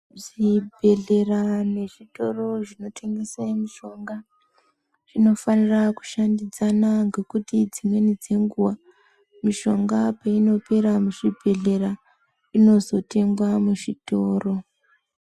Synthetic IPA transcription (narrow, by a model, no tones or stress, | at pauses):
ʐibʱe̞ɮe̞rane̞ʐito̞ro̞ʐino̞tʰe̞ŋɡesemiʃo̞ŋɡa | ʐino̞faniraku̥ʃandid͡zanaŋɡe̞kutid͡zimwe̞nid͡ze̞ŋɡuwa | miʃo̞ŋɡapaino̞pe̞ɾamuʐibʱe̞ɮe̞ra | ino̞zo̞te̞ŋɡwamuʐitoːro̞